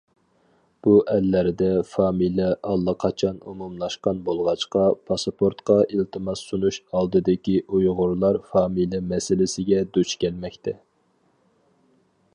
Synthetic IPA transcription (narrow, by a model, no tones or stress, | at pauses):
b̥uʔɛlːæɾɪd̪ɛfɑːmilɛʔɑlˠːəqʰɑt͡ʃʰɑnṵmumlˠɑʃqɑnbolˠʁɑt͡ʃqɑpʰɑsɑpʰoɾt̪qɑʔilt̪ʰɨmɑsunuʃɑlˠd̪ɨd̪ɪkʲiʔujʁʊɾlˠɑɾfɑːmilɛmɛsɪlɪsɪɡʲɛd̪ut͡ʃkʲʰɛlmɛkʲt̪ʰɛ